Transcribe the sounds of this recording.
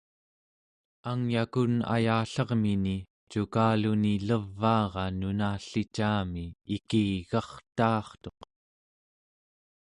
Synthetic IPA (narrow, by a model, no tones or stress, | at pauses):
aŋjakuna̰jaːɬʌʁmini | t͡ʃukaːluniləvːɑːʁɑnunaːɬit͡ʃaːmiːkiɣɑχt̪ɑːχt̪o̞q